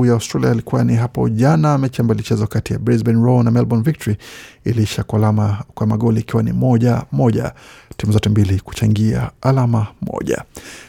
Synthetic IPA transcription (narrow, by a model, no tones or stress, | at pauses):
ujaawstɾaliailikuwaniɦapɔ̰ʄanaːmɛt͡ʃɛmbalit͡ʃɛzɔkatija̰bɾɛzbɛnɹɔnamɛlbɔnvik̚tɔɾiiliʃaakwamaɠɔliikiwanḭmɔʄamɔʄa̰timuzɔtɛmbiliku̥t͡ʃaŋɡia̰ːlamamɔ̰ʄa̰